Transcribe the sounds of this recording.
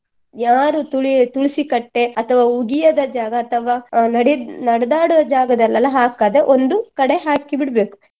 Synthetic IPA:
jaːɾut̪uɭit̪uɭisikɐʈːe̞ɐt̪ʰɐʋaːuɡijɐd̪ɐd͡ʒaːɡɐːt̪ʰɐʋaːnɐɽnɐɽɐd̪aːɽuʋɐd͡ʒaːɡɐd̪ɐlːɐlːɐɦaːkaːd̪eʔond̪ukɐɽe̞ɦaːkibiɽbeːku̥

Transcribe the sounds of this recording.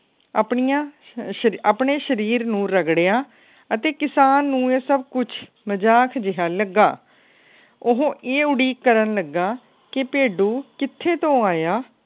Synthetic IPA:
apɳijãː | əapɳeːʃəɾiːɾnũːɾəɡɽeːaː | ət̪eːkɪsaːnːũːeːsəb̚kʊt͡ʃʰ | məd͡ʒaːkʰd͡ʒɪɦaːləɡːaː | ʊɦõːʔeːʊɽiːkːəɾənləɡaː | kɪpeːɖuːkɪt̪ʰːeːt̪õːaːjaː

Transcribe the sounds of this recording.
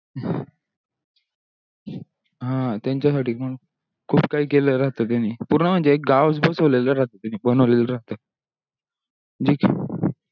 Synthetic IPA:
ɦãt̪jaɲt͡ɕjasaʈʰiːm̤əɽun | kʰuːbkaiːkeləɾaɦt̪ət̪janiːpuɾɳəm̤əɳd͡zeːk̚ɡaʋs̬bəsoleləɾaɦt̪ət̪janibənəʋleləɾaɦt̪əː | d͡ʑiːk

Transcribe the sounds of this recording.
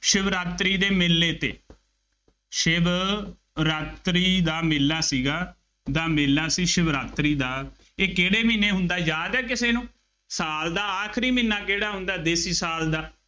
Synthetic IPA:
ʃɪbɾaːt̪ɾiːd̪eːmɪlːeːt̪ḛː | ʃɪb | ɾaːt̪ɾiːd̪aːmɪlːaːsiːɡaː | d̪aːmɪlːaːsiːʃɪbɾaːt̪ɾiːd̪aː | eːkeːɽeːmineːɦʊnd̪aːd͡ʒaːd̪ɛːk̬ɪseːnũː | saːld̪aːaːkʰɾiːmɪnːaːkeːɽaːɦʊ̃nd̪aːd̪eːsiːsaːld̪aː

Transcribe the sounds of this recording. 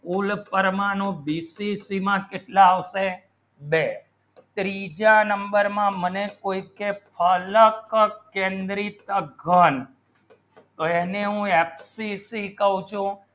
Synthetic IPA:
kulpəɾmanũbisisimãkeʈlaːʋʃe | be | t̪ɾid͡ʒanəmbəɾmãmənekoikepʰələkkẽnd̪ɾit̪əɡʱən | t̪oeneɦũepʰsisikəɦũt͡ʃʰũ

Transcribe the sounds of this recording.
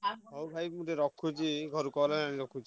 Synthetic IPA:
ɦowbʱajmuɾeɾɔkʰud͡ʒiɡʱɔɾukɔlananiɾɔkʰud͡ʒi

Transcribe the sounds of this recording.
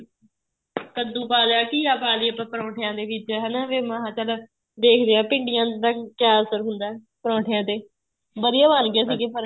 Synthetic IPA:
k̪əd̪uːpaːlaːkiːaːpaːliːpãːpəɾãːʈʰɪjãːd̪eːʋɪt͡ʃɦɛːnaːʋeːməɦãːt͡ʃəl | d̪eːkʰd̪eːãːpɪ̃ɳɖɪjãːd̪aːkjaːəsəɾɦʊnd̪aːɛː | pəɾãːʈʰɪjãːt̪eː | bəd̪ijaːʋaːnɡɪjaːs̬iːɡeːpəɾ

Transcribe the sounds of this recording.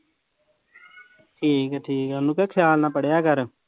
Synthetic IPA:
ʈʰiːkɛʈʰiːkɛənːũːkeːkʰɪjaːlnãːpəɽejaːkəɾ

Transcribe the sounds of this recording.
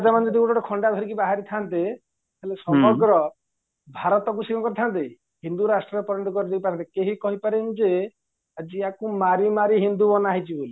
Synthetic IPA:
ad͡ʒamand͡ʒɔd̪ʱikuɽɔʈɔkʰɔɳɖad̪ʱɔɾikibaɦaɾit̪ʰant̪e | ɦelesɔmɔɡɾɔ | bʱaɾɔt̪ɔk̬usikɔkɔɾit̪ʰant̪̬e | ɦind̪uɾasʈɾɔɾepɔɾɔnd̪ɔkɔɾid͡ʒejpatɾʰant̪ikeɦikɔɦipaɾend͡ʒe | ad͡ʒiakumaɾimaɾiɦind̪uɔnaɦit͡ʃʰiboli

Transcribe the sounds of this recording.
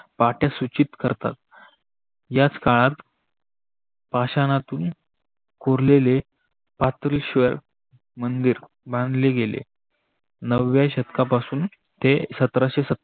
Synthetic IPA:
paʈjasut͡ɕit̪kəɾt̪a̰t̪ | jat͡skaɭat̪ | paɕanat̪uːn | koɾlele | pat̪ɾilɕʋəɾ | mənd̪iːɾ | bãnd̪ʱleɡelḛ | nəʋjaɕət̪kapasuːn | t̪esət̪ɾaɕesə

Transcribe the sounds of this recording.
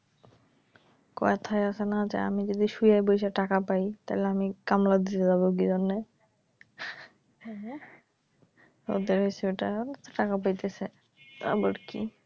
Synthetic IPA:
kɔet̪ʰajasʰenaat͡ɕʰḛa̰mid͡ʑod̪iʃujajbojʃaʈakapajt̪aileamikamlad̪it̪ed͡ʑabok̬id͡ʑonːe | o̰d̪eɾɦojseeʈat̪oʈakap̬ajt̪esʰe | t̪a̰ɾpɔɾkḭ

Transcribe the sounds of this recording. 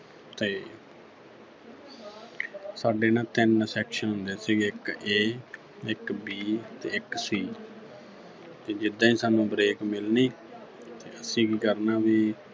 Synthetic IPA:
t̪eː | saːɖeːnãːt̪ɪnsɛːkʃənɦʊnd̪eːsiːɡeːɪkeː | ɪkbiːt̪eːɪksiː | t̪eːd͡ʒɪd̪ːãːĩːsaːnũːbɾeːkmɪlniː | t̪eːʔəsĩːkiːkəɾnaːʋiː

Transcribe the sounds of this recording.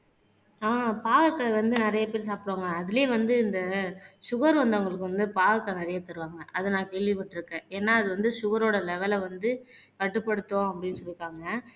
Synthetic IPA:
aːpaːɣɐkːɐʋɐnd̪ɯnɪɾɐjɐpeːɾs̬aːpɪɽoːŋɡɐːðɪleːʋɐnd̪ɯɪnd̪ɐʂʊɣɐɾʋɐnd̪ɐʊŋɡɐɭɯkːɯʋɐnd̪ɯpaːɣɐkːɐnɪɾɐjɐt̪ɐɾɯʋaːŋɡɐʔɐðɯnãːkeːɭʋipɐʈːɪɾɯkːẽːɛːnːaːɐðɯʋɐnd̪ɯʃʊɣɐɾoːɽɐlɛʋɐlʋɐnd̪ɯ | kɐʈːɯpːɐɽɯt̪ːõːɐpːɐɽɪnːɯsɔɭːɪkːaːŋɡɐ

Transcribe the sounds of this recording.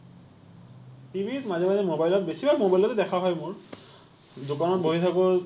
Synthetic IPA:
tibʱitmazɛmazɛmobajlɔtbesibamobajlɔtɛdɛkʰaɦɔjmʊɹ | dokanɔt̚bʱoɦit̪ʰakɔ

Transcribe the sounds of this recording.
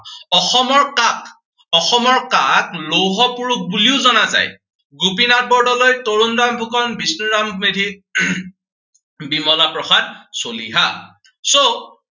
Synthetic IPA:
ɔxɔmɔɹkak | ɔxɔmɔɹkaklowɦɔpuɹuk̚buliʊzɔnaza̰j | ɡupinat̚bɔɹdɔlojtoɹundambʱukɔnbisnuɹammedʱi | bimɔlapɹɔxadsolḭɦa | so

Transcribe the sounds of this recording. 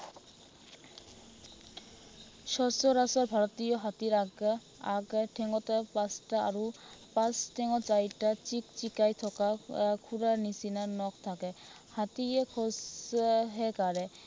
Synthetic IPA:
ʃɔɹsɔɹasɔɹbʱaɹɔt̪ijɔɦatiɹaɡ | aɡtʰɛŋɔtpastaaɹupãstʰɛŋɔzajtat͡ʃikt͡ʃikajt̪ʰɔkakʰuɹaɹnisinanɔkt̪ʰakɛ | hatiɛkʰɔs | ɦɛkaɹɛ

